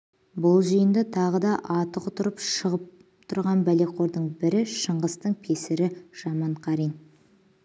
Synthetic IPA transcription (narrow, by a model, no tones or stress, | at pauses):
bʊlˠʒijənd̪ət̪ʰɑʁəd̪ɑʔɑt̪əqʊt̪ʊɾəpʃəʁəp̚ | t̪ʰʊɾʁɑnbæle̞qʰo̞ɾd̪əɴbɪɾɪʃəɴʁəst̪əɴpʰesɪɾɪʒ̥ɑmɑɴqʰɑɾin